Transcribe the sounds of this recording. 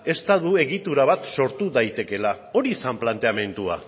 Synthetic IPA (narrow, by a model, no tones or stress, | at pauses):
e̞st̪aðue̞ɣit̪uɾaβ̞at̪so̞ɾt̪uðajt̪e̞ke̞la | o̞ɾisamplant̪e̞ame̞nt̪ua̰